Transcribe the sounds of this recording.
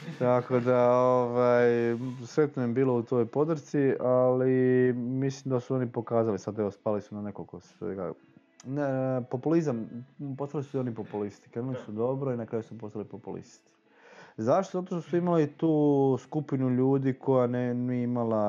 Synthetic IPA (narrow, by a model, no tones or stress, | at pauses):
t̪ako̞d̪aoʋajsɾe̞t̪nojebiːlo̞ut̪o̞jopo̞d̪ɾ̩t̪sialimislimd̪asuo̞nipo̞kaːzalisad̪eʋo̞spaːlisunane̞kokosʋḛɡa̰ | nepo̞pulizampo̞st̪alisu̥ionipo̞pulist̪i̥kɾemlisud̪o̞bɾoinakɾaːjusupo̞st̪alipopulḭst̪i̥ | zaʃt̪ozat̪o̞ʃt̪osuimalit̪uːskupinuʎuːd̪ikʰo̞janeniimala